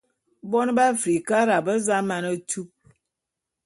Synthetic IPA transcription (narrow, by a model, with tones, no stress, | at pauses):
bɔ˦n˦ba˦fɾi˨ka˦ɾa˨bə˦za˦ma˨nə˦tu˦p̚